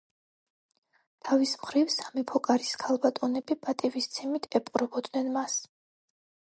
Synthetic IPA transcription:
t̪ʰavismχɾivsamipʰɔkʼaɾiskʰalˠbat̪ʼɔnɛbipʼat̪ʼivist̪sʰɛmit̪ʰɛpʼqʼɾɔbɔd̪nɛnmas

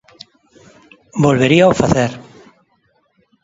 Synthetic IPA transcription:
bolβeɾiaofaθeɾ

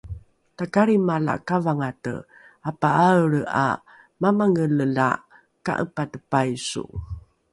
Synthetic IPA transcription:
takaɾimala̰ʔkavaŋatə̰ | apaaəɭa̰ | mamaŋələla̰ | ka̰ʔəpatəpajsṵ

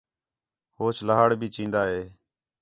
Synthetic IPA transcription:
hoːt͡ʃʰləɦaːɽbʱiːt͡ʃĩːnd̪aːɦeː

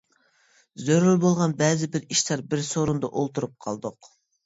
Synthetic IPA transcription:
zøɾylbolˠʁɑnbɛzɪbɪɾiʃlɑɾbɪɾsoɾund̪ɑ̰ʔolˠt̪uɾup̚qʰɑ̰lˠd̪ʊq

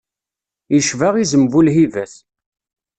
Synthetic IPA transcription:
jəʃvaʁizəmvulɦivæs

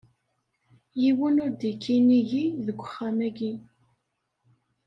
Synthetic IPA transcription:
jiwənʊɾd̪ikʰːiniʝiðəɡʷə̥χːæmæɡi

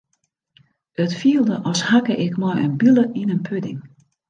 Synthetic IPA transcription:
ətfiəlˠdəʔɔlˠshakəʔɪkmɔjə̰nbyləʔinənpʰødɪŋ

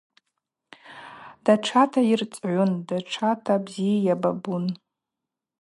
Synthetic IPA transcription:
d̥aʈ͡ʂʰatʰairt͡sʼʕʷʊndaʈ͡ʂʰatʰabzijajababun

